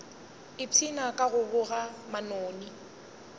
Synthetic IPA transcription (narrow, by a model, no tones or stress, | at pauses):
ɪt͡sʰinakʼaɣʊbʊɣamanoːni